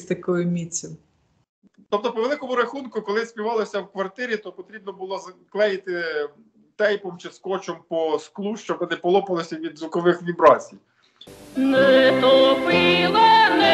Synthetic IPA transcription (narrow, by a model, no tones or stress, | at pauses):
sʲt̪ɐkɔjʊmʲit͡sʲːɪm | t̪ɔp̚t̪ɔpɔʋelˠɪkɔmʊɾɐxunkʊkɔlˠɪsʲpʲiʋɑlˠɔsʲɐwkʋɐrt̪ɪɾʲit̪ɔpɔt̪ɾʲib̚nɔbʊlˠɔzɐklˠɛjɪt̪ɪ | t̪ɛjpɔmt͡ʃɪskɔt͡ʃɔmpɔsklˠuʃt͡ʃɔbɔnɪpɔlˠɔpɐlˠɪsʲɐʋʲid̪zʋʊkɔʋɪxʋʲibɾɑt͡sʲij | nɛt̪opɪlˠɐnɛ